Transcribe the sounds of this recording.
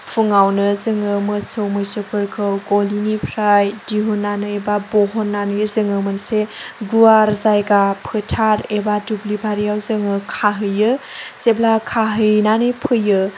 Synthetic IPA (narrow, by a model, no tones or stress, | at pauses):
pʰuŋawnɯzɯŋɯmɯsɯwmɯsopʰɯɾkʰɯɡolinipʰɾajdiɦunːanɯebaboɦɔnːanɯjzɯŋɯmɯnseɡuaɾzajɡapʰɯtʰaɾebadublibʱaɾijawzɯŋɯkʰaɦɯjɯ | seblakʰaɦɯjnanɯjpʰɯjɯ